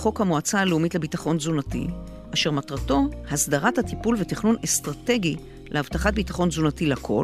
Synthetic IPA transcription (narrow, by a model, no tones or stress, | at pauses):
χo̞khamoat͡saːleumitlebitaχo̞nzunatḭ | ʔaʃe̞ʁmatʁato̞hasdaʁathatipulveteχnunestʁate̞ɡi | lʔeavtaχat̚bitaχo̞nzunatilakʰo̞